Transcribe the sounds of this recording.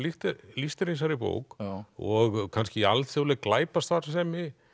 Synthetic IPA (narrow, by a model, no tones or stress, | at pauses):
liht̪list̪ɪɾinsaɾɪpo̰ːwkɔɣkʰanscɪalt̪θjowlɛklaːjpast̪θaɾ̥sɛːmɪ